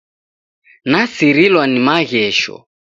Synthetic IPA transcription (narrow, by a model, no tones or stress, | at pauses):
nasiɾilwanimaɣɛʃɔ̰